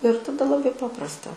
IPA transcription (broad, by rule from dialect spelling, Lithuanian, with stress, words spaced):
ɪr tɐˈdɐ lˠɐˈbɐɪ ˈpɑːprɐstɐ